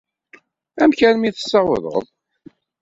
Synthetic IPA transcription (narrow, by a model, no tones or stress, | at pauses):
æmkænmiθə̥sːɑwəðˤə̰ðˤ